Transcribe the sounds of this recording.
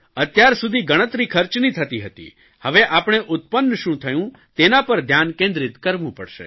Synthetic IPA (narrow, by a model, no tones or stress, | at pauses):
ət̪jaɾsud̪ʱiɡəɽ̃ət̪ɾikʰəɾt͡ʃnĩt̪ʰət̪iɦət̪ḭ | həʋeʔapɳ̃eʔʊt̪̚pənːʃũt̪ʰəjũ | t̪enapəɾd̪ʱjankẽnd̪ɾit̪kəɾʋũpəɽʃḛ